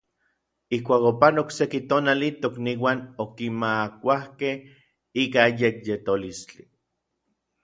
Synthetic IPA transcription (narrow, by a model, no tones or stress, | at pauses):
ihkʷaːkopanoksekit̪oːnalit̪okniːwanokimakʷahkeh | iːkajekjet̪olist͡ɬi